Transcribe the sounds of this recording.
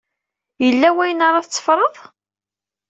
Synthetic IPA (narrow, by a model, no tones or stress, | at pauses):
jəlːæwæjnəɾˤɑθt͡sːə̥fɾˤəðˤ